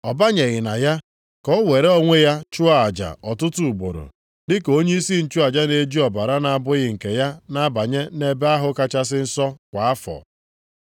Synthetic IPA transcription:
ɔ˨ba˦ɲe˨ɣɪ˨na̰˨ja˦ | kɔ˦we˨ɾe˦o˦ŋʷe˦ja˦t͡ʃu˦a˨a˨d͡ʒa̰˨ɔ˨tʊ˦tu˨u˨ɡ͡bo̰˨ɾo̰˨ | dɪ˦ko˦ɲe˦i˦si˦n̩˨t͡ʃu˦a˨d͡ʒa˦ne˦d͡ʒi˦ɔ˨ba˨ɾa˦na˨a˨bʊ˦ɣɪ˨ŋ̩˨ke˨ja˦na˦ba˨ɲe˦ne˦be˦a˦ɦʊ˦ka˦t͡ʃa˦s̬ɪ˦n̩˦sɔ˦kʷa˨a˦fɔ̰˨

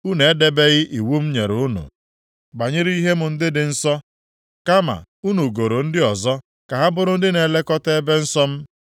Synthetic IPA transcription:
u˦ne˨e˦de˦be˦ɣɪ˦ʔi˨wu˦m̩˦ɲe˨ɾu˦nṵ˨ | ɡ͡ba˨ɲɪ˦ɾi˦ɦe˦mʊ˨n̩˦dɪ˦dɪ˨n̩˦sɔ˦ | ka˦ma̰˨ | u˦nu˨ɡo˨ɾo˨n̩˦dɪ˦ɔ˨zɔ˦ | ka˨ɦa˦bʊ˦ɾʊ˦n̩˦dɪ˦ne˨le˦kɔ˦te˦be˦n̩˦sɔ˦m̩˦

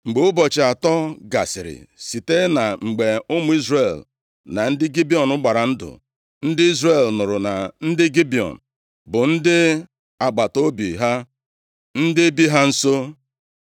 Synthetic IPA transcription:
ŋ͡m̩˨ɡ͡bʊ˨ʊ˦bɔ˨t͡ʃɪ˨a˨tɔ˦ɡa̰˨sɪ̰˨ɾɪ̰˨si˨te˦na˨ŋ͡m̩˨ɡ͡be˨ʊ˦mʊ˦i˦zre˦˨l | na˨n̩˦dɪ˦ɡi˦bi˦˨ɔ˨nʊ˦ɡ͡ba˨ɾa˨n̩˦dʊ̰˨ | n̩˦dɪ˦i˦zre˦˨lnʊ˨ɾʊ˨na˨n̩˦dɪ˦ɡi˦bi˨ɔ̰˨n̩˨ | bʊ˨n̩˦dɪ˦ | a˨ɡ͡ba˨to˦bi˨ɦa˦ | n̩˦dɪ˦e˦bi˦ɦa˦n̩˦so˦

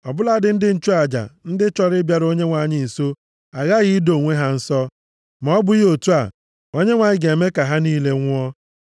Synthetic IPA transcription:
ɔ˨bʊ˦la˨˦dɪ˨n̩˦dɪ˦n̩˦t͡ʃu˦a˨d͡ʒa̰˨n̩˦dɪ˦t͡ʃɔ˦ɾɪ˦bja˨ɾo˦ɲe˦ŋʷa˨ɲɪ˨so˦ | a˨ɣa˦ɣi˦do˨ŋʷe˦ɦa˦n̩˦sɔ˦ | m˨˦bʊ˦jo˨tu˦a˨ | o˦ɲe˦ŋʷa˨ɲɪ˦ɡe˨e˨me˦ka˨ɦa˦niː˦le˦ŋʷʊ˦ɔ˦

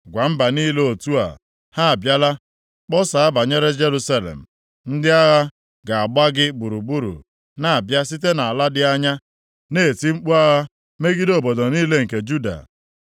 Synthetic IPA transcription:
ɡʷa˨m̩˦ba˨ni˦lo˦o˨tu˦a̰˨ | ha˦a˨bja˦la˦ | k͡pɔ˦sa˨a˦ba˨ɲe˦ɾe˦d͡ʒe˦ɾu˦sa˦lḛ˨m̩˨ | n̩˦dɪ˦a˦ɣa˦ | ɡa˨a˨ɡ͡ba˦ɡɪ˦bu˨ɾu˨bu˦ɾṵ˨ | na˨a˨bja˦s̬i˦t̬e˦na˨a˨la˦dɪ˦a˦ɲa˦ | ne˦˨ti˦ŋ͡m̩˦k͡pu˦a˦ɣa˦ | me˦ɡi˦do˨bo˨dɔ˨niː˦le˦ŋ̩˨ke˨d͡ʒu˦da̰˨

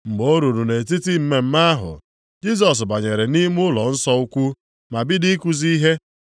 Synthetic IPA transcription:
ŋ͡m̩˨ɡ͡bo˦ɾu˨ɾu˨ne˨t̬i˦ti˦m̩˦me˨m̩˦ma˦a˦ɦʊ̰˨ | d͡ʒi˦s̬ɔ˨s̬ba˨ɲe˨ɾe˨ni˦m˦ʊ˦lɔ˨n̩˦sɔ˦u˦kʷu˦ | ma˨bɪ˦di˦ku˦zi˦ɦe˦

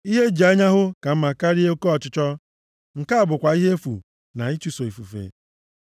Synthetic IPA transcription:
i˦ɦe˦d͡ʒi˨a˦ɲa˦ɦʊ˦ka˨m̩˦ma˨ka˦ɾi˦e˦o˦ko˦ɔ˨t͡ʃʊ˦t͡ʃɔ˦ | ŋ̩˨ka˦a˨bʊ˨kʷa˨i˦ɦe˦fṵ˨ | na˨i˦t͡ʃu˨so˨i˨fu˨fḛ˨

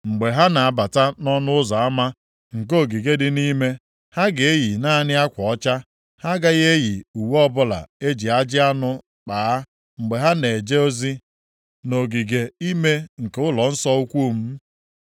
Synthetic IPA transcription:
ŋ͡m̩˨ɡ͡be˨ɦa˦na˨a˨ba˨ta˦nɔ˦nʊ˦ʊ˦zɔ˨a˦ma˦ | ŋ̩˨k̬o˦˨ɡi˨ɡe˦dɪ˦ni˦me˦ | ha˦ɡe˨e˦ji˨na˦nɪ˦a˦kʷɔ˨ɔ˦t͡ʃa˦ | ha˦ɡa˦ɣe˦ji˨u˨wɔ˦bʊ˦la̰˨e˦d͡ʒi˨a˦d͡ʒɪ˦a˦nʊ˦ | k͡pa˨˦ | ŋ͡m̩˨ɡ͡be˨ɦa˦ne˨d͡ʒe˦o˦zi˦ | no˨ɡi˨ɡe˨i˦me˦ŋ̩˨ke˦ʊ˦lɔ˨n̩˦sɔ˦u˦kʷu˦˨m̩˦

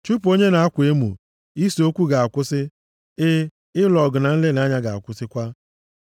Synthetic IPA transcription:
t͡ʃu˦p̬o˦ɲe˦na˨a˦kʷe˦mṵ˨ | i˦so˦kʷu˦ɡa˨a˨kʷʊ˦sɪ˦ | ɪ˦ | ɪ˦lɔ˨ɡʊ˨na˨n̩˦le˦na˨˦ɲa˦ɡa˨a̰˨kʷʊ˦sɪ˦kʷa˦

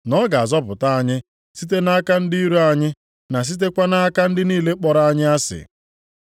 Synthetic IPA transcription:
nɔ˦ɡa˨a˨zɔ˦pʊ̰˨ta˦a˦˨ɲɪ˦ | si˦t̬e˦na˦a˦ka˦n̩˦di˦i˦ɾu˦a˨ɲɪ˦ | na˨s̬i˦t̬e˦kʷa˦na˦a˦ka˦n̩˦dɪ˦niː˦le˦k͡pɔ˦ɾa˦a˦ɲɪ˦a˦sɪ̰˨

